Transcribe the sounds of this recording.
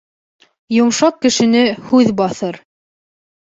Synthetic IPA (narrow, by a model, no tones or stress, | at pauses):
jŏmʃɑq̚kɘ̆ʃɘ̆nɘhʉðbɑθɤɾ